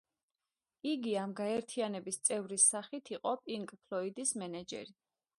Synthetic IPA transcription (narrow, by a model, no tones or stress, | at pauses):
iɡiamɡaɛɾt̪ʰianɛbist̪sʼɛvɾisːaχit̪ʰiqʼɔpʼiŋkʼpʰlˠɔid̪ismɛnɛd͡ʒɛ̰ɾi